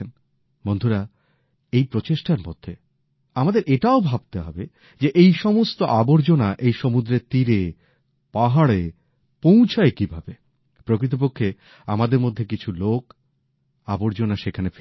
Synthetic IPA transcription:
n | bond̪ʱuɾa | ejpɾot͡ɕeʃʈaɾmo̰d̪ʱːe | amad̪eɾeʈaobʱab̚t̪eɦɔbe | d͡ʑeʔejʃɔmost̪oʔaboɾd͡ʑonaʔejʃomud̪ɾeɾt̪iɾe | paɦaɽe | pow̃t͡ɕʰaekibʱabe | pɾokɾit̪̬op̬okʰːe | amad̪eɾmod̪ʱːekit͡ɕʰulok | aboɾd͡ʑonaʃekʰanef

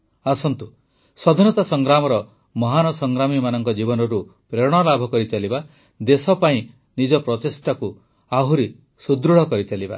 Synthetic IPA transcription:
asɔnt̪u | sɔd̪ʱinɔt̪asɔŋɡɾamɔɾɔ | mɔɦanɔsɔŋɡɾamimanɔŋkɔd͡ʒibɔnɔɾupɾeɽ̃ɔlabʱɔkɔɾit͡ʃʰaliba | d̪esɔpaĩ | nid͡ʒɔpɾɔt̪esʈaku | aɦuɾi | sud̪ɾuɽ̤ɔkɔɾit͡ʃʰaliba̰

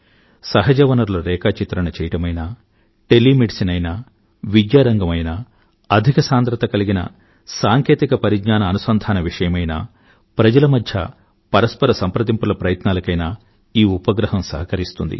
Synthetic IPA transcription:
sɐɦɐd͡ʒɐʋɐnɐɾlɐɾɛːkaːt͡ʃit̪ɾɐnɐt͡ʃɛːjɐʈɐmɐjnaː | ʈelːimiʈsinɐjna | ʋid̪jaːɾɐŋɡɐmɐjna | ɐd̪ʱikɐsaːnd̪ɾɐt̪ɐkɐliɡinɐ̰ | saːŋkeːt̪ikɐpɐɾiɡɲaːnɐːnusɐnd̪ʱaːnɐʋiʂɐjɐmɐjna̰ː | pɾɐd͡ʒɐlɐmɐd̪ʱjɐ̰ | pɐɾɐspɐɾɐsɐmpɾɐd̪impulɐpɾɐjɐt̪naːlɐkɐjnaː | iːupɐɡɾɐɦɐmsɐ̰ɦɐkɐɾist̪und̪ḭ

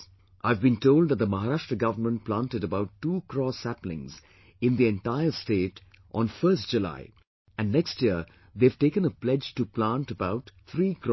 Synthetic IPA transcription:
ʔaɪvbĩntoʊld̪d̪ət̚d̪əmaɦaɾaʃʈɾəɡʌvəmə̃nʈ̚plãːntɨɾəbaʊtːuːkɾɔsæplɪ̰̃ŋz | ɪ̃nd̪iɛ̃nʈaɪəsteːt | ʔɔ̰̃nfəːstd͡ʒula̰ɪ | æ̃nnɛkstjiə | ðev̥ʈeːkə̃nəplɛd͡ʒtuplãnʈəbaʊt̪t̪ʰɾiːkɾɔ

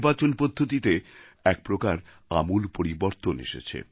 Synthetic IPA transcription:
bat͡ɕonpod̪ʱːot̪it̪e | ɛk̚pɾokaɾ | a̰mulpoɾiboɾt̪onḛʃḛt͡ɕʰḛ

